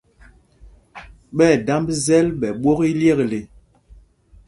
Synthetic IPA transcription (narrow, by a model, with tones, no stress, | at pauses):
ɓɛ˦˨da˦mbzɛ˦lɓɛ˨ɓwɔ˦ki˦ljɛ˦˨kle˨